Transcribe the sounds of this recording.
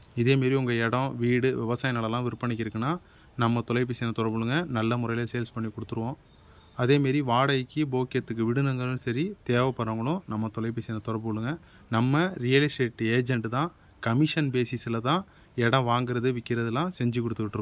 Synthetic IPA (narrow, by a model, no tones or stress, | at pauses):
ɪðeːmaːɾiʊŋɡɐɛɽɐ̃ʋiːɽɯʋɪʋɐsaːjnaːɭɛlːãːʋɪɾɯpːɐɳɪk̬ːɪɾɯkːɐnaː | nɐmːɐt̪ɔlɐɪp̬ːeːsɪnɐt̪ɔɾɐɾbɯɭɯŋɡɐnɐlːɐmʊɾɐjɪlɐsejlspɐɳːikːɔɽɯt̪ːɯɾɯʋõː | ɐðeːmaːɾiʋaːɽɐjkːɯboːkɪjɐt̪ːɯk̬ːɯʋɪɽɯnɐŋɡɐɭɯ̃nsɐɾit̪eːʋɐpːɐɾɐŋɡɐɭʊ̃nɐmːɐt̪ɔlɐɪp̬ɛsɪnɐt̪ɔɾɐɾb̬ɯɔɭːɯŋɡɐ | nɐmːɐɾijɐlɪsʈeːʈːeːd͡ʒɛɳʈt̪ãː | kɐmɪʂɐnbeːsisɪlɐt̪ãː | ɛɽɐ̃ʋaːŋɡɪɾɐðɯʋɪkːɪɾɐðɛlːãːsɛɲd͡ʒɯkːɔɽɯt̪ːɯʋɪʈːɾɯkː